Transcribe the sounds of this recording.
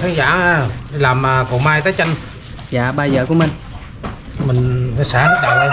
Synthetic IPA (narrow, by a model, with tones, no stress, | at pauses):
t̪ʰaː˧˦ŋza̰ː˧˥˨aː˧ɗi˧laː˨˩maː˨˩ko˨˩maː˧jt̪əː˨˦jt͡ɕa˧ŋ | za̰ː˧˨ɓaː˧zəː˨˩ku˧˦əmï˨˩ŋ̟ | mï˨˩ŋ̟˨˦saː˧˥ha˦ɗa̰˨w